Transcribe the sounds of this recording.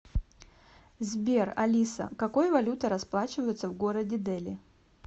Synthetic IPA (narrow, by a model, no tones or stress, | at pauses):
zʲbʲe̞rɐ̰lʲisə̰kɐko̞jvɐlʲut̪əɾɐsplˠat͡ɕɪvəjɪt̪səvɡo̞ɾədʲɪd̪ɛlʲɪ̰